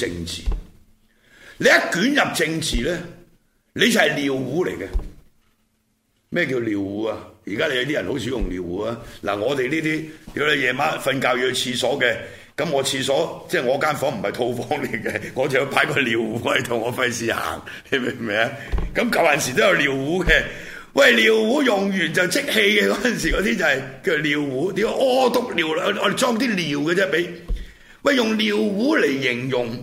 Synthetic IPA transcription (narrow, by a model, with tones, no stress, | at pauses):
t͡sɪ˧ŋt͡sʰḭː˨˩ | le˨˧jɐ˦˥kyː˨˥njɐ˨p̚t͡sɪ˧ŋt͡sʰiː˨lɛː˦˥ | le˨˧jɐ˨jliː˨wwuː˨˥lḛ˨˩jkɛ˧ | mɛː˥˩k̬iː˧wliː˨wwuː˨˥a˧jiː˨kaː˥le˨˧jɐ˧wt̪iː˥jɐ˨nho˨˥wt͡sʰiː˨˥jʊ˨˩ŋliː˨˩wkuː˨˥aː˦˥la̰ː˨˩ŋɔː˨˧t̪e˨jliː˥t̪iː˥t̪i˨˥wle˨˥jɛː˨˧maː˥fɐ˧nkaː˧wjiː˧t͡sʰiː˧sɔː˨˥kɛ˧ | kɐ˨˥mŋɔː˨˧t͡sʰiː˧sɔː˨˥t͡sɛː˥˩ŋɔː˨˧kaː˥nfɔː˨˥m̩˨˩˨hɐ˨jt̪ʰo˧wfɔː˨˥ŋli˨˩kɛ˧ŋɔː˨˧t͡sɐ˨hjpʰaː˨˥jkɔː˧liː˨˩wuː˨˦˥ɐ˨jt̪ʰʊ˨˩ŋːɔː˨˧fɐ˧jsiː˨ha̰ː˨˩ŋ | e˨jme˨˩mɛː˨˧˥ɐ˧ | kɐ˨˦mkɐ˨wjɐ˨nsiː˨˩o˥wjɐ˧wliː˨˩wwuː˨˥kɛ˧ | wʔɐ˨jliː˨˩wːuː˨˥jʊ˨˩ŋjyː˨˩nt͡sɐ˨wt͡sɪ˥k̚he˧jkɛː˧kɔː˨˥˦jɐ˨nsi˨˩kɔː˨˧˥t̪iː˥t͡sɐ˨whɐ˨jki˧wliː˨wːuː˨˥t̪iː˨˥wa˧ʔɔː˧˩˧t̪ʊ˨˥k̚liː˨wlɔː˨˧d̪e˨t͡ʃɔː˥ŋt̪̬iː˥liː˨˩wkɛː˧t͡sɛː˥pe˨˥j | wɐ˨˧jʊ˨˩ŋliː˨wwuː˨˥le˨˩jːɪ˨˩ŋjʊ˨ŋ